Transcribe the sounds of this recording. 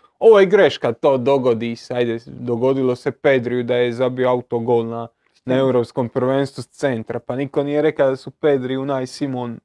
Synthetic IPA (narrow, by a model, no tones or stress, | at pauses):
oɛɡɾɛʃkat̪od̪oɡod̪isajd̪ɛd̪oɡod̪ilosepɛd̪ɾiud̪aɛzabiawt̪oɡolna | nɛwɾopskompɾovɛnsussɛnt̪ɾapanikoniɛɾɛkasupɛd̪ɾiunajsimon